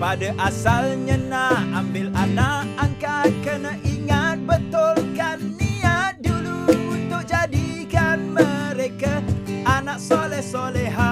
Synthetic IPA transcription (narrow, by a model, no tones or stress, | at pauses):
padaʔasalɲənaambɪlanakaŋkakənaʔiŋat̪̚bənt̪ɔlkanːiat̪̚duluːnt̪ʊk̚d͡ʒadikanməɾekaanaksolɛhsolɛɦa